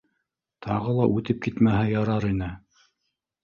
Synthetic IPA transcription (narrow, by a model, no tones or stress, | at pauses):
t̪ʰɑʁɤlˠɑʔʉt̪ɘp̚kit̪mæɦɘjɑɾɑɾinɘ